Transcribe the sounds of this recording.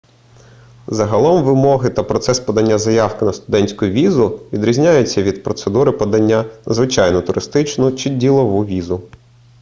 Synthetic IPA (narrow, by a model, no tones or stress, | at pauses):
zɐɦɐlˠɔmʋɪmɔɦɪt̪ɐpɾɔt̪sɛspɔd̪ɐnʲːazɐjɑwkɪnɐst̪ʊd̪ɛnʲsʲkʊjʊʋʲizʊʋʲid̪ɾʲizʲnʲajʊt͡sʲːɐʋʲid̪pɾɔt̪sed̪uɾɪpɔd̪ɐnʲːazʋɪt͡ʃɑjnɔt̪ʊɾɪst̪ɪt͡ʃnʊt͡ʃɪdʲilˠɔʋuʋʲizʊ